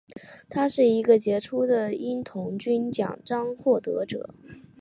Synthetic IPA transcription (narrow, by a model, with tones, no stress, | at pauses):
t̪ʰa˥ʂɻ̩˥˩i˧˥ɡə˧t͡ɕjɛ˧˥ʈ͡ʂʰu˥d̪ə˨i˥nt̪ʰʊ˧˥ŋt͡ɕy˥nt͡ɕjɑ̰˨˩ŋʈ͡ʂɑ˥ŋxwɔ˥˩t̪ɤ̰˧˥ʈ͡ʂɤ̰˨˩˦